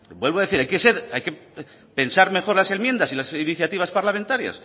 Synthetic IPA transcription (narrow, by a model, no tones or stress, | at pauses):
bwe̞lβaðe̞θiɾajke̞se̞ɾajke | pe̞nsaɾme̞xo̞ɾlase̞mje̞nd̪asilasiniθjat̪iβ̞aspaɾlament̪aɾja̰s